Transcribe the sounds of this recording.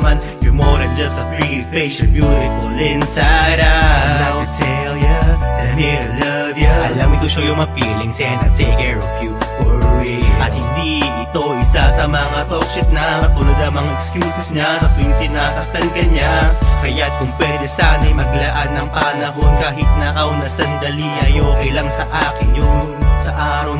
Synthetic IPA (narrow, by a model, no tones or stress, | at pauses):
man | jʊmoɾɐnd͡ʒɐsɐpɹi | keʃɔnmjunɪkʊlɛnsaɾɐawt̪ɛljaɛmɛlɐ | vjaɐlɐmɪt̪ʊʃojʊŋmɐfilɪŋsɛnɐt̪ejkɛɹɔfjuɔɹweʔɐt̪̚hɪnd̪iʔɪt̪oʔɪsasɐmɐŋat̪ok̚ʃɪt̪̚nɐɐt̪ʊlod̪ɐmɐŋaʔɛkskjuːsɪsɲasɐpinsɪnasɐk̚t̪ɐnkɐɲakɐjakʊŋpwɛd̪ɛsaːnɐjmɐɡlɐʔanɐŋpɐnɐɦo̞nkaːɦɪt̪̚nɐʔɐwnɐsɐnd̪ɐliɐjoːkɐjlɐŋsɐʔaːkɪnjʊŋ | sɐʔaːɾɐw